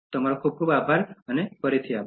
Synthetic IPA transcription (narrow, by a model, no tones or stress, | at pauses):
t̪oŋɔɾɔkʰub̚kʰubabʱaɾənekɔɾit̪ʰija